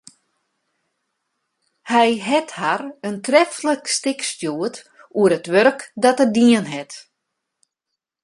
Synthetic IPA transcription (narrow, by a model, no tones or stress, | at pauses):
hɛjɦɛtharəntrɛfləkstɪkstjuət | uəɾətʋørkdɔtədiənɦɛt